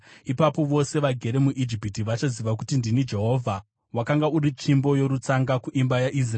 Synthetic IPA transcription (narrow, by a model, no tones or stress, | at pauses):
ipapo̞ʋo̞se̞ʋaɡʱe̞ɾe̞muʔid͡ʒipitiʋat͡ʃaziʋak̬utindinid͡ʒe̞ɦo̞vʱa | wakaŋɡauɾit͡ʃimbo̞jo̞ɾut͡saŋɡakuʔimbajaʔis̬r